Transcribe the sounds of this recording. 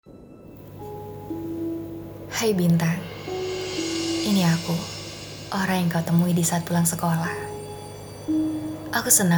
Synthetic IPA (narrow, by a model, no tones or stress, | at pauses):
hajbint̪aŋ | iniaku | ʔoɾaŋjaŋkaut̪əmuidisaːt̪̚pulaŋsəkolah | ʔakusəna